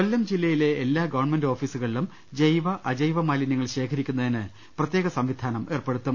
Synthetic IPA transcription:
kolːɐmd͡ʑilːɐjile̞ːlːaːɡɐʋɐrɳme̞ndo̞ːfiːsuɣɐɭilum | d͡ʑejʋɐʔɐd͡ʑɐjʋɐmaːlinɐŋːɐɭɕe̞ːkʰɐɾikʲːunːɐðinɨ | prɐt̪je̞ːɣɐsɐmʋid̪ʱaːnɐme̞ːrpe̞ɽut̪ːum

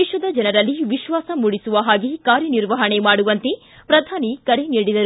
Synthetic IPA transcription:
iʃʋɐd̪ɐd͡ʒɐnɐɾɐlːiʋiʃʋaːsɐmuːɽisuʋɐɦaːɡikaːɾjɐniɾʋɐɦɐɳe̞maːɽuʋɐnt̪e | pɾɐd̪ʱaːnikɐɾeniːɽid̪ɐɾu

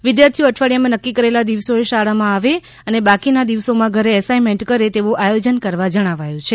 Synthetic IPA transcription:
ʋid̪jaɾt̪ʰijoəʈʰʋaɭjamãnəkːikəɾelad̪iʋsoeʃaɭamãaʋe | ənebakinad̪iʋsomãɡʱəɾeːsaimeɳʈkəɾet̪eʋoʔajod͡ʒənkəɾʋad͡ʒəɽ̃aʋajũt͡ʃʰe

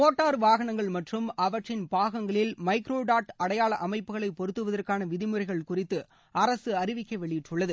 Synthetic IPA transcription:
oːʈːaːɾʋaːɣɐnɐŋɡɐɭmɐʈrɯmɐʋɐʈrɪnpaːɣɐŋɡɐɭɪlmɐɪkɾoːɖaːʈɐɽɐjaːɭɐʔɐmɐɪpːɯɣɐɭɐɪpɔɾɯt̪ːɯʋɐðɐrkaːnɐʋɪðɪmɯrɐɪɣɐɭkʊrɪt̪ːɯ | ʔɐɾɐsɯɐɾɪʋɪkːɐʋɛɭɪjɪʈrɯɭːɐðɯ

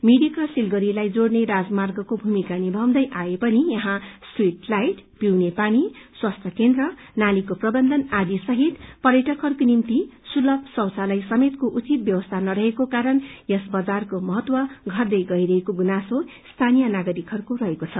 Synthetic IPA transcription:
miɽikrʌsilɡʌɾilajd͡zoɽneɾad͡zmarɡʌkobʱumikanibʱʌwd̪ʌjʔaepʌnijʌɦãswiʈlajʈpiwnepaniswast̪ʰʌkend̪rʌnalikoprʌbʌnd̪ʱʌnad̪isʌɦit̪pʌrjʌʈʌkʰʌrkonimt̪isulʌbsʌwt͡salajsʌmet̪koʔut͡sit̪̚bjʌwʌst̪ʰanʌɾʌɦekokaɾʌnjʌsbʌd͡zarkomʌɦʌt̪wʌɡʱʌrd̪ʌjɡʌiɾʌɦekoɡunaso | st̪ʰanijʌnaɡʌɾikʰʌrkoɾʌɦekot͡sʰʌ

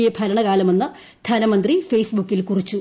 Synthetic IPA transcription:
jepʰɐlɐɳɐɣaːlɐmonːɨ | d̪ʱɐnɐmɐnd̪rifejsbukːilkurit͡ɕːu

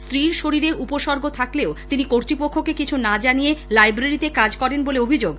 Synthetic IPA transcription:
st̪ɾiɾʃoɾiɾeʔupoʃɔɾɡʱot̪ʰakleot̪inikoɾt̪ɾipokʰːokekit͡ɕʰunad͡ʑanijelajbɾaɾit̪ekad͡ʑkɔɾenboleobʱid͡ʑoɡ

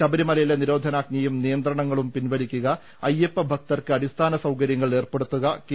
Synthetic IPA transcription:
ɐbɐɾimɐlɐjileniɾo̞ːd̪ʱɐnaːɡ̚ɲɐjumnijɐnd̪rɐɳɐŋːɐɭumpinʋɐlikʲːuɣɐ | ɐjːepːɐbʱɐk̚t̪ɐrkɨɐdist̪ʰaːnɐsɐwkɐɾjɐŋːɐɭe̞ːrpe̞ɽut̪ːuɣɐk

